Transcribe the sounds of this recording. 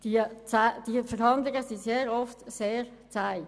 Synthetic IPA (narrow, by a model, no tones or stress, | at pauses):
d̥iːt͡sad̥iːfɛʁhɑndlʊŋəsiseːɾɔftseːʁ | t͡saɪ